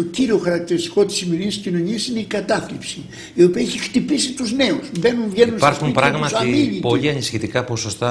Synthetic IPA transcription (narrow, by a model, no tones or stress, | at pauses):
t̪o̞ciɾioxɐɾɐk̚t̪iɾist̪i̥ko̞t̪i̥simioɾiscino̞ɲiɐsineikɐt̪ɐflipsi | iopiɐeçixt̪ipisit̪uzne̞usbe̞nunvʝenunspɐɾxumpɾɐɣmɐtsɐiniipoliɐnisçit̪ikɐpo̞sost̪ɐ